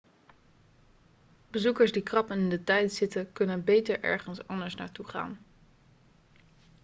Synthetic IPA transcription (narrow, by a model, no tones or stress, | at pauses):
b̥əzukəɹsdikrɑpənɪndətɛjtz̥ɪtəkɵnənbejtəɹʔɛ̰ɹχənsɑndəɹsna̰ːɹtuχa̰ːn